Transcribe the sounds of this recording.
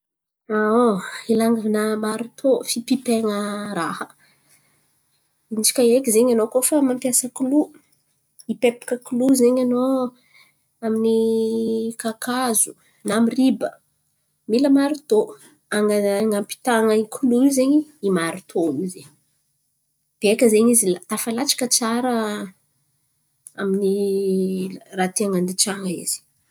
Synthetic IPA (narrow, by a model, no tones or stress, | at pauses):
aoilaŋɡavnamaɾit̪ʰofipipeŋəɾahə | int͡ʃi̥kʲaekʲizeɲanokofamampjasəkulu | ipepi̥kəkuluzeɲano | amini | kakazu | namiribə | miləmaɾut̪o | aŋaŋampi̥t̪aŋakʰuluizeɲiimaɾit̪ʰonize | b̥ekəzeɲizilat̪afalat͡ʃḁkət͡saɾə | amini | rat̪iaŋand̪it͡ʃaŋəḭz̥i̥